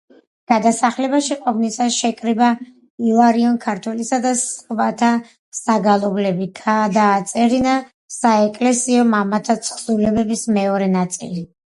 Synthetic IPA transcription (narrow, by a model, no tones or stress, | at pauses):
ɡ̥ad̪asaχlɛbaʃiqʼɔbnisasʃɛkʼɾiba | ilˠaɾiɔnkʰaɾt̪ʰwɛlisad̪asqʼvat̪ʰa | saɡalˠɔblɛbiɡʰad̪aːt̪sʼɛɾina | saɛkʼlɛsiɔmamat̪ʰat̪sʰχsulɛbɛbismɛɔɾɛnat̪sʼḭli